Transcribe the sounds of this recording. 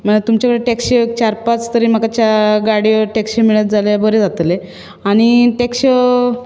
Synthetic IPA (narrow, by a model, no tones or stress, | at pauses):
m̤əɳat̪umt͡ɕakəɽeʈekɕət͡ɕaɾpat͡st̪əɾiːm̤əkat͡ɕaɡaɽijoʈekɕimiɭət̪̚d͡zʱaljabəɾed͡zat̪le | aɽ̃iʈekɕə